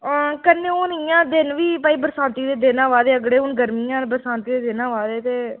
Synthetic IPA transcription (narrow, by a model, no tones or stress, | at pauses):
kənːẽːʊnijãːd̪ɪnʋiːpaːiːbəɾsãːnt̪iːd̪eːd̪eːnãːʋaːd̪eːəɡɽeːʊnɡəɾmiːjãːbəɾsãːnt̪iːd̪eːd̪ɪnãːʋaːd̪eːt̪eː